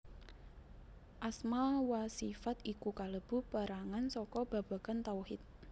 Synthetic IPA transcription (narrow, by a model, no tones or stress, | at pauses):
ʔasmawasifat̪ikukaləb̥ṳpaɾaŋansɔkɔb̥a̤b̥a̤kant̪auhɪt̪̚